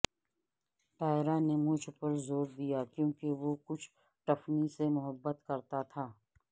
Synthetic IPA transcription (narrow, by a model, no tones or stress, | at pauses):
ʈaːɪɾanemʊd͡ʒʱpɐɾzoːɾd̪ijaːkjõːkeʋokʊt͡ʃʰ | ʈɐfnisemʊɦəbːət̪kɐɾt̪at̪ʰaː